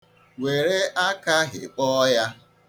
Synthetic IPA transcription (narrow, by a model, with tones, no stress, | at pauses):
we˨ɾe˦ʔa˦ka˦ɦɪ̰˨k͡pɔ˦ja˦